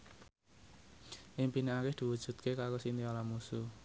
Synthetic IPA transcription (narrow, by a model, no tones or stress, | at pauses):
ʔimpineakɪhd̪̥i̤wud̥ʒ̥ṳt̪̚kekakosint̪iolamusu